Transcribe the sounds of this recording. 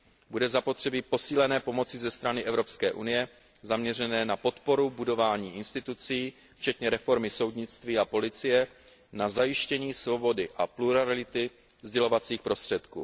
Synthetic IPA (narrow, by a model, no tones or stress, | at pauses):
budɛzapo̞t̪r̥ɛbipo̞siːlɛnɛːpo̞mo̞t͡sɪzɛst̪ɾanɪʔɛvɾo̞pskɛːʔunɪjɛ | zamɲɛrɛnɛːnapo̞t̪po̞ɾubudo̞vaːɲiːʔɪnst̪ɪt̪ut͡siː | ft͡ʃɛt̪ɲɛɾɛfo̞ɾmɪso̞wdɲɪt͡st̪viːapo̞lɪt͡sɪjɛ | nazajɪʃcɛɲiːsvo̞bo̞dɪʔapluɾalɪt̪ɪ | zɟɛlo̞vat͡siːxpɾo̞st̪r̝̥ɛt̪kṵː